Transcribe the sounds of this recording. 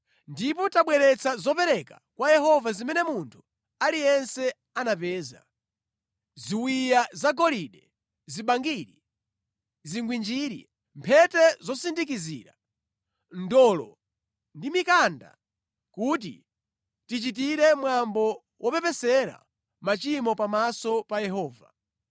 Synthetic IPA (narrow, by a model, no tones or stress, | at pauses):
ndipɔtaɓwɛɾɛt͡sʰazɔpɛɾɛka | kwajɛɦɔvazimɛnɛmuntʰu̥ | alijɛnsɛ | anapɛːza̰ | ziwijazaɡɔliɗɛ | ziɓaŋɡiɾi | ziŋɡwind͡ʒiːɾḭ | mpʰɛtɛzɔsindik̬izḭːɾa | ndɔlɔ̰ | ndimikanda̰ | kuːtḭ | tit͡ʃit̬iɾɛmwambɔ | wʔɔpɛpɛsɛɾa̰ | mat͡ʃimɔpamasɔpajɛɦɔːva